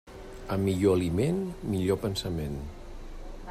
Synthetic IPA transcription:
əmːiʎoəlimenmiʎopənsəmen

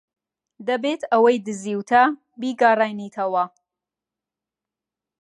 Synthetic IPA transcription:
d̪ɐbeːt̪ʰɐwɐjd̪ɨziːwt̪ʰɐ | biːɡaːraːjniːt̪ʰɐwɐ

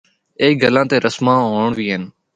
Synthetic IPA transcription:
eːɡəlãːt̪eːɾəsmãːɦoːɳʋiːɦɪn

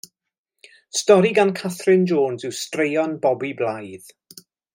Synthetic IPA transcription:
stɔɾiɡankʰaθrɪnd͡ʒoːnzɪwstrejɔnbɔbiblajð

